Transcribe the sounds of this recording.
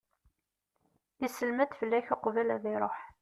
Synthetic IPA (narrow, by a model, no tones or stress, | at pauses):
isəlmæd̪fəlːæçaqvælæðiɾˤoħ